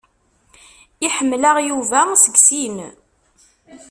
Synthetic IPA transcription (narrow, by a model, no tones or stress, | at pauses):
iħəmːlaʁjuvæsəɡsim